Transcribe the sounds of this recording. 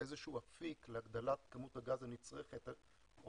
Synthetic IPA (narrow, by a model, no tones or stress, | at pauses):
ezeʃuafikleaɡd̪alat̪kamuthaɡazanit͡sʁeχet̪